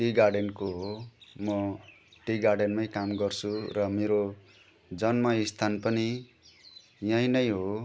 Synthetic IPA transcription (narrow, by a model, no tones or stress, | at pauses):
ʈiɡarɖenkoɦomʌ | ʈiɡarɖenmajkamɡʌrt͡sʰurʌmeɾo | d͡zʌnmʌist̪ʰanpʌni | jãĩnʌjɦo